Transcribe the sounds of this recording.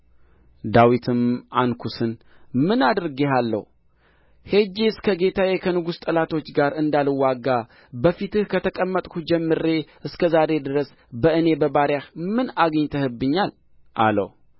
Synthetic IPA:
d̪awit̪ʰɨmankʰusɨnmɨnad̪ɾɡeɦalːə̰hu | hed͡ʒeskʰəɡe̞t̪ʰajekʰənɨɡust̪ʼəlat̪ʰo̞t͡ʃːɡaɾɨnd̪alɨwaɡa | bəfit̪ɨhkʰət̪ʰəkʼəmːət̪ʼkʰud͡ʒɛmːɨɾe̞ʔɨskʰəzaɾe̞d̪ɨɾəs | bəʔɨne̞bəbaɾjahmɨnaɡəɲt̪ʰəhɨbːɨɲːal | ʔa̰lə̰w

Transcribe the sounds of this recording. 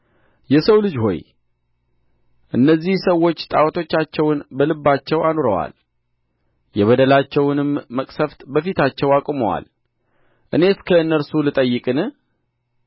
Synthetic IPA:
jɛsəwlɨd͡ʒho̞̰j | ʔɨnːəzːihsəwo̞t͡ʃːt̪ʼawt̪ʰo̞t͡ʃːat͡ʃːɛwnbəlɨbːat͡ʃːɛwanoɾəwa̰l | jɛβəd̪əlat͡ʃːɛwnɨmːəkʼsəft̪bəfit̪at͡ʃːɛwakʼuməwa̰l | ʔɨne̞ɨskʰəɨnːəɾsulɨt̪ʼəjːɨkʼɨnɨ

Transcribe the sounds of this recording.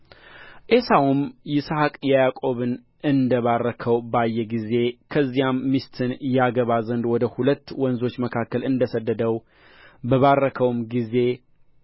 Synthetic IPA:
ʔesawumjɪsahkʼjɛjakʼo̞βɨn | ɨnd̪əβarːəkʰəwbajːɛɡize̞kʰəzːijamːist̪ʰɨnjaɡəβazənd̪wɔd̪əhulət̪ːwɔnzo̞t͡ʃːməkʰakːəlɨnd̪əsəd̪ːəd̪əw | bəβarːəkʰəwmɡize̞

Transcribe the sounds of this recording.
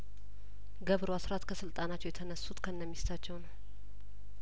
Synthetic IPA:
ɡəβɾoasɾat̪kʰəsɨlt̪ʼanat͡ʃːɛwjɛt̪ʰənəsːut̪kʰəɨnːəmːist̪ʰat͡ʃːɛwnəw

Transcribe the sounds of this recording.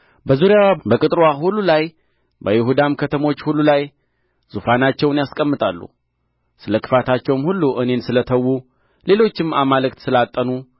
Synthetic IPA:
bəzuɾijabəkʼɨt̪ʼɾwahulːulaj | bəjɪɦud̪amkʰət̪ʰəmo̞t͡ʃːhulːulaj | z̥ufanat͡ʃːɛwnjaskʼəmːɨt̪ʼalːṵ | sɨləkʰɨ̥fat̪ʰat͡ʃːɛwmhulːuʔɨne̞nsɨlət̪ʰəwːu | le̞lo̞t͡ʃːɪmamalɨkt̪sɨlat̪ʼːənu

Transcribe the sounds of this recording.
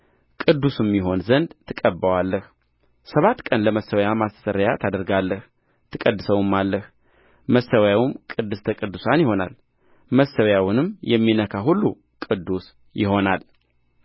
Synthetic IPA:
kʼɨd̪ːusɨmːjɪɦo̞nzənd̪t̪ʰːɨkʼəbːəwalːəh | səβat̪ːkʼənləməsəwjamast̪ʰə̥səɾəjat̪ʰad̪əɾɡalːəh | t̪ʰɨkʼəd̪ːɨsəwɨmːalːəh | məsəwjawʊmkʼɨd̪ːɨst̪ʰəkʼɨd̪ːusanjɪho̞na̰l | məsəwjawʊnɨmjɛmːinəkʰaɦulːu | kʼɨd̪ːus | jɪho̞nal

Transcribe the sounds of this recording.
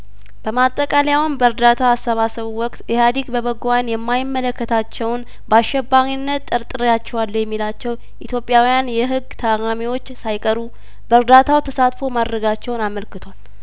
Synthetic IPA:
b̥əmat̪ʼːəkʼaljawnbəɾd̪at̪ʰaːsːəβasəβuwɔkʼt̪ɛhad̪ikbəβəɡanjɛmːajɪmːələkːət̪ʰat͡ʃːɛwn | baʃːɛbːaɾinːət̪ʼːɨɾt̪ʼːɨɾjat͡ʃːɛwalːəjɛmːilat͡ʃːɛw | ʔit̪ʰjo̞pʼːjawijanjɛɦɨɡːt̪ʰəɾamiwo̞t͡ʃːsajkʼəɾu | bəɾd̪at̪ʰawt̪ʰəsat̪fo̞mad̪ɾəɡat͡ʃːɛwnaməlkɨt̪ʰwal

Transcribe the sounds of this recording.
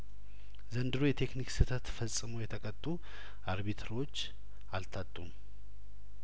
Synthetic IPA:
zənd̪ɨɾujɛt̪ʰe̞kniksɨt̪ʰət̪fəsʼɨmojɛt̪ʰəkʼət̪ʼːu | aɾβit̪ʰɾo̞t͡ʃː | alt̪ʰat̪ʼːum

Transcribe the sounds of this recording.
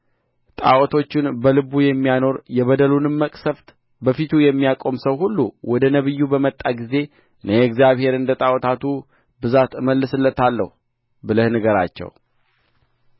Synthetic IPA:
t̪ʼa̰wɔt̪ʰo̞t͡ʃːɪnbəlɨβujɛmːijano̞ɾjɛβəd̪əlunɨmːəkʼsəft̪ | bəfit̪ʰujɛmːijakʼo̞msəwɦulːuwʔɔd̪ənəβɨjːubəmət̪ʼːaɡize̞ | ɨnʔəjɛɡzjaβhe̞ɾɨnd̪ət̪ʼawɔt̪ʰat̪ʰu | bɨzat̪ɨməlːɨsɨlːət̪alːə̰hu | bɨləhnɨɡəɾa̰t͡ʃːɛ̰w

